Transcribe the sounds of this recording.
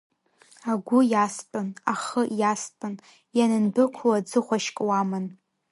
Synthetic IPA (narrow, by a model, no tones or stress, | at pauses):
aɡʷʊjastʼɨnaχəjastʼɨn | janɨnbɨkʷʰlad͡zɨχʷaʃkʼwamɨn